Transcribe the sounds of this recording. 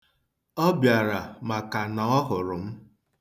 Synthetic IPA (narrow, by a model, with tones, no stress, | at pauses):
ɔ˦bja˨ɾa˨ma˨ka˨na˨ɔ˦ɦʊ˨ɾʊ˨m̩˦